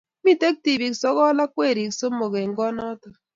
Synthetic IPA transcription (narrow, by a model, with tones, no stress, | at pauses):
mi˦te˦k̚ti˨bi˨ksɔ˦kɔ˦la˦kʷe˦˨ɾi˨kso˦mo˨ke˨ŋ̩˨ɡɔ˦nɔ˦tʊ˨